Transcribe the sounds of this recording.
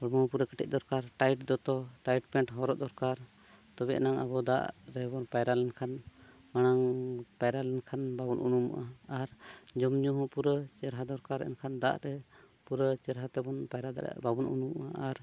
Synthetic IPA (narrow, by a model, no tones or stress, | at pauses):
bɔɽmɔhɔ̃puɾəkɛʈɛ̰c̚ˀd̪ɔɾkaɾʈajʈd̪ɔt̪ɔʈajʈpɛɳʈɦɔɾɔd̪ɔɾkaɾ | t̪ɔβɛʔnaŋa̰bɔd̪a̰ʔɾɛbɔnpajɾalɛnkʰan | manaŋpajɾalɛnkʰanbabunʔunumṵʔaːɾd͡ʒɔmɲɔɦɔ̃puɾət͡ʃɛɾɦad̪ɔɾkaɾɛ̰nkʰand̪a̰ʔɾɛ | puɾət͡ʃɛɾɦat̪ɛbɔnpajɾa̰babunṵnumʔaaɾ